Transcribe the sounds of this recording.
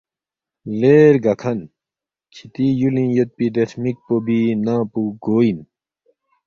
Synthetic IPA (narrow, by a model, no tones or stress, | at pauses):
leːɾɡɐkʰɐn | kʰit̪ijulĩjot̪̚pid̪esmik̚pobinãːpuɡoːin